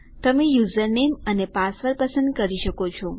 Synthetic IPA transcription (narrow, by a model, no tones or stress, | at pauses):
t̪əmejuzəɾnemənepasʋəɾpəsə̃nd̪̚kəɾiʃəkot͡ʃʰɔ